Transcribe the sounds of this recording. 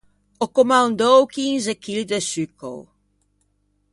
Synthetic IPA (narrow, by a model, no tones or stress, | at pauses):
okomãnd̪owkinzekild̪əsyko̰w